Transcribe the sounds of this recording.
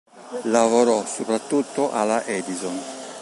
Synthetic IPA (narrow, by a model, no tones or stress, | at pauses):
lavoɾɔsopɾat̪ːut̪ːoʔalaʔɛd̪izɔn